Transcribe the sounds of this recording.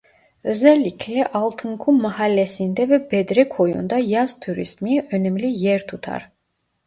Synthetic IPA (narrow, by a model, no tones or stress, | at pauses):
ø̞zælʲːicʰlɛʔɑlˠt̪ʰɯŋkʰumːɑhalʲːesind̪ɛvɛbɛd̪ɾɛkʰo̞jṵnd̪ɑjɑz̥t̪ʰuɾḭsmiø̞nɛmlijeɾt̪ʰut̪ʰɑ̰ɾ